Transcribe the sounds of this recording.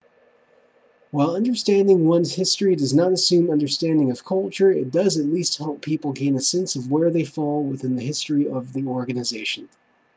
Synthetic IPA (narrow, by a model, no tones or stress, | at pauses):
waɪlˠʌ̃ndə˞stæ̃ndɪ̃ŋwʌ̃nz̥hɪstɹ̥idʌznəɾɨsʉ̃mʌ̃ndə˞stæ̃ndɪ̃ŋʌv̥kʰʌlˠt͡ʃə˞ɪ̰t̚d̥ʌzɨtˡlist̚hɛlˠpʰipl̩ˠɡẽɪ̃nɨsɛ̃nsʌvwə˞ðeɪfɔlˠwɪθɪ̃nðɨhɪstɹ̥iʌvðiɔɹɡɨnɨzeɪʃɨ̃n̩